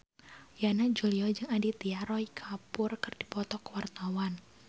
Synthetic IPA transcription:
janad͡ʒuliɔd͡ʒɨŋadit̪iaɾɔikʰapʊrkɨrdipɔt̪ɔkəwart̪awan

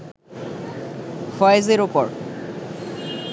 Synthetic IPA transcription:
fʰɔjzeɹupɔɹ

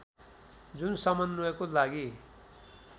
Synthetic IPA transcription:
d͡zunsʌmʌnnuekolaɡi

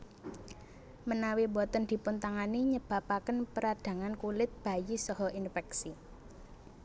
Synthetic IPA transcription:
mənawibɔt̪ənd̪̥i̤pʊnt̪aŋaniɲəb̥a̤pakənpəɾad̪̥ä̤ŋankulɪt̪̚b̥a̤jisɔɦɔinfɛksi

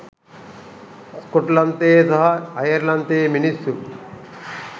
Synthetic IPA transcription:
skuʈlɐnt̪eːsɐɦɐɐjɐɾlɐnt̪eːminist̪u

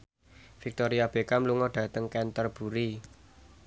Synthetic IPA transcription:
fik̚t̪oɾiab̥e̤kamluŋɔɖ̥ä̤t̪əŋkɛnt̪ərb̥uɾi

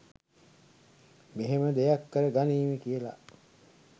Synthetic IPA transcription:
meɦeməd̪ejakːəɾəɡaniːmikijəla̰

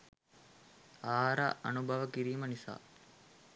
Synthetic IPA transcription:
aːɦɾa̰ʔɐnubʱɐʋəkiɾiːmənisa̰ː

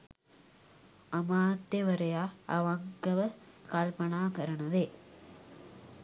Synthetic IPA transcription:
ɐmaːt̪ːjɐʋɐɾɐjaːɐ̰ʋɐŋkɐʋɐ | kaːlpɐnaːkɐɾɐɳɐðeː

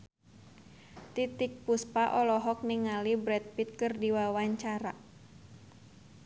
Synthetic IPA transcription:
t̪it̪ik̚puspaʔɔlɔɦɔk̚niŋalibɾɛt̪̚pit̪̚kɨrdiwawaɲt͡ʃaɾa

